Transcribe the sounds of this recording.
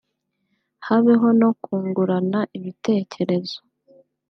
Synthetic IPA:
haβeɦo̞no̞kuːŋɡuɾanaʔiβite̞ːce̞ɾe̞zo̥

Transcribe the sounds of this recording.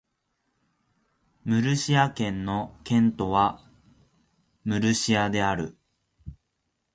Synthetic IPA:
mɯ̟ɾɯ̟ɕiakẽ̞nːo̞kẽ̞nt̪o̞βa | mɯ̟ɾɯ̟ɕiad̪e̞aɾɯ̟̰

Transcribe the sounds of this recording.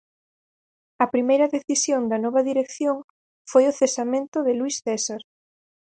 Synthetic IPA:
ɐpɾimejɾɐðeθisjond̪ɐnɔβɐðiɾekθjoŋ | fojʊθesamẽnt̪ʊðɪluisθɛsaɾ

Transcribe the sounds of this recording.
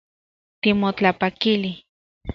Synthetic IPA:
t̪imot͡ɬapakili

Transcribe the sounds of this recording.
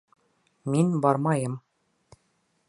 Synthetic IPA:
minbɑɾmɑjɤm

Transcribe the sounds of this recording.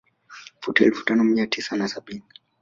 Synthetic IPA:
futaɛ̰lfu̥tanɔmiatisanasaɓini

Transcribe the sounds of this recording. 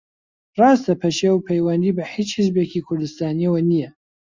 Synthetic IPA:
rɑːst̪ɐpʰɐʃewpʰɐjwɐnd̪iːbɐħit͡ʃhɨzbekʰikʰʊɾd̪ɨst̪aːniɛwɐnijɛ

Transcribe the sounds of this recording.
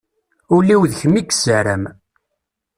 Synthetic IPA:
ʊlːiwðçəmːikːsəɾəm

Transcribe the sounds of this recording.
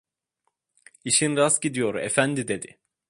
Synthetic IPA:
iʃinɾasɟid̪ijo̞ɾḛfænd̪id̪e̞d̪ɪ̰

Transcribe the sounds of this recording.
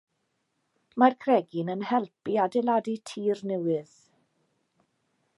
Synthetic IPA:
markʰrɛɡinənhɛlˠpiadɛladitʰiːrnɛwɨð̥

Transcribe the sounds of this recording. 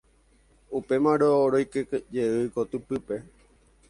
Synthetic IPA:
upe̞mãɾoːɾojkekd͡ʒeɨkot̪ɨpɨpe̞

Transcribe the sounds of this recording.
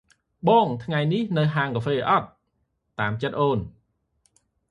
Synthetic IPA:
ɓɑːŋt̪ʰŋajnihnɨwɦaːŋkafeːʔɑt̪̚ː | aːmt͡ɕət̪̚ʔoːn

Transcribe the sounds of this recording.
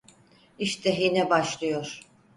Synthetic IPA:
iʃt̪ʰɛɦinɛbaʃlˠɯjoɾ̥

